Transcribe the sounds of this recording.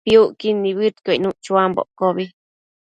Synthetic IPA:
piuʔkinːiβɨt̪konuʔt͡ʃuambo̰ʔkobi

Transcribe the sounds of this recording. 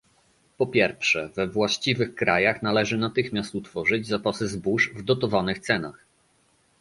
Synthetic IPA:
pɔpʲjɛɾfʂɛvɛvwaɕt͡ɕivɘxkɾajaxnalɛʐɘnat̪ɘxmʲjast̪ut̪fɔʐɘd͡ʑzapasɘzbuʂvd̪ɔt̪ɔvanɘxt̪sɛna̰x

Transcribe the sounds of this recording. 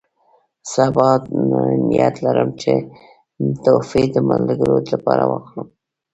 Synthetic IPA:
sabɑt̪nanijat̪laɾəmt͡ʃe | t̪ofid̪əmalɡəɾolapɑɾawəxɽum

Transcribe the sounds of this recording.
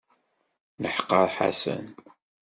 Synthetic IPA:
nəħqːəɾˤħa̰sə̰n

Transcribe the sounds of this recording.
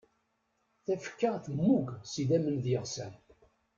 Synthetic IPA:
θæfə̥kːaθmːuɡsid̪æmənðjəʁsæ̰n

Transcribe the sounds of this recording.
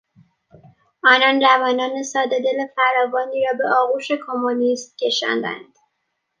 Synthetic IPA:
ʔɒːnɒːnɾævɒːnɒːne̞sɒːd̪ed̪e̞lefæɾɒːvɒːniːɾɒːbe̞ʔɒːɣuːʃe̞kʰo̞monist̪̚cʲʰe̞ʃɒ̰ːnd̪æ̰nd̪̥

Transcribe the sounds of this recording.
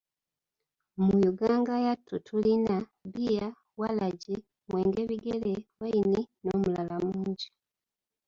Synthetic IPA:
mujuɡaːŋɡajatːutʰulinaβija | walaɟe | mweːŋɡeβiɡelewaininomulalamuːɲɟi

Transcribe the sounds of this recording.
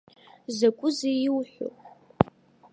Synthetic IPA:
zɐkʷʼʊzejɪwħʷʊ̰

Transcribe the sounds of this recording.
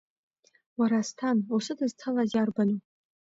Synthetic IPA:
waɾastʰanusɨdɨzt͡sʰalazarbanɨ

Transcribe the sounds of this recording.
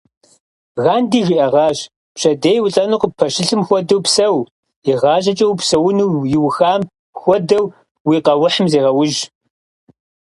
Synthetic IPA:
ɣaːndiːɣiʔɐʁɑːʑ | pɕɐdeːjwʊɬʼɐnɨqəpʰɐʃɪɬɨmxʷɔdɐwpsɐw | iʁɑːʑɐt͡ʃʼɐwpsɐwʊnuwjɪwxaːm | xʷɔdɐw | wiːqɐwʊħəmzeːʁɐwʊʒ

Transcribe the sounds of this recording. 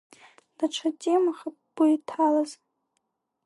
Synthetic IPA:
d̥aʈ͡ʂʷʰatʼemaχapb̥uitʰalaz

